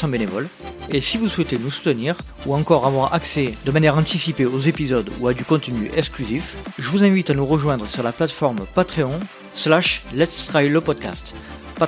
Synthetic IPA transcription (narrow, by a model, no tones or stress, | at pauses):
sɑ̃benevɔlesivuswɛt̪enusu̥t̪əniʁ | uɑ̃kɔʁavwaʁa̰ksɛd̪əmanjɛʁɑ̃t̪isipeozepizɔd̪uad̪ykɔ̃t̪ənyʔɛksklyzifʒəvuzɛ̃vit̪anuʁəʒwɛ̃d̪ʁəsyʁlaplat̪fɔʁmpat̪χeɔ̃ | slaʃlɛt̪st̪χajləpɔd̪̚ka̰st̪ | pa